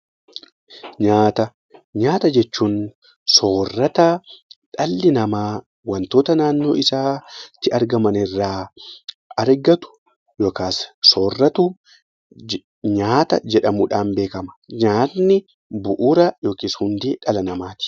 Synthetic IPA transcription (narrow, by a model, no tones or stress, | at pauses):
ɲaːt̪ɐ | ɲaːt̪ɐd͡ʒɛt͡ʃːuːn | so̞ːrːɐt̪ɐᶑɐlːɪnɐmaː | wɐnt̪o̞ːt̪ɐnaːnːo̞ːɪsaːt̪ːɪɐɾɡɐmɐnɪrːaː | ɐɾɡɐt̪ʊ̥ | joːkaːsso̞ːrːɐt̪uː | ɲaːt̪ɐ̰d͡ʒɛᶑɐmuːᶑaːnbe̞ːkɐmɐ̥ɲaːt̪nɪ | bʊʔuːɾɐjo̞ːkiːshʊnd̪eːᶑɐlɐnɐmaːt̪ɪ̥